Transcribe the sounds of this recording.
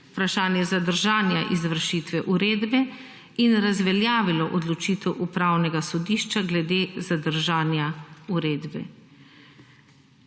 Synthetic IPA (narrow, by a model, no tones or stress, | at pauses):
upɾaʃaːnjɛzad̪əɾʒaːnjaʔizʋəɾʃit̪ʋɛʔuɾeːd̪bɛ | inɾazʋɛljaːʋilɔʔɔd̪lɔt͡ʃiːt̪ɛwʔupɾaːwnɛɡasɔd̪iːʃt͡ʃaɡlɛd̪eːzad̪əɾʒaːnjauɾeːd̪bɛ̰